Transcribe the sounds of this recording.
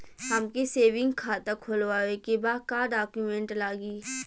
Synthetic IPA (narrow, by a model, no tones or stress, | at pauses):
həmkeseːʋɪ̃ŋɡkʰaːt̪əkʰolʋaːʋekebaːkaːɖaːkjumẽːɳʈlaːɡiː